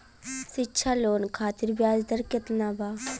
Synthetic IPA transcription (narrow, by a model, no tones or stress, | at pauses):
sitːʃʰaːloːnkʰaːt̪iɾbjaːd͡ʒd̪ɐɾkɪt̪naːbaː